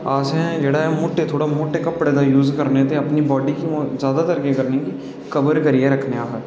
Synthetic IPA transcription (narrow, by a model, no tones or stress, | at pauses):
aːseɦɛ̃d͡ʒeːɽaɦɛmʊʈːet̪ʰoːɽamʊʈːekɐpɽed̪ajuːzkɐɾnet̪ʰeɐpnibɔːɖikiozjaːd̪at̪ɐɾkekɐɾneki | kɐbəɾkɐɾiɛɾɐkʰneaːpət̪